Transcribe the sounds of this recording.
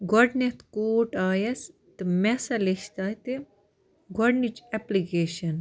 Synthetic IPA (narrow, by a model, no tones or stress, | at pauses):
ɡɔɖnet̪koːʈaːjɐs | t̪ɨmɛsɐleʃt̪aːt̪i | ɡɔɖnit͡ʃeplikeːʃɐn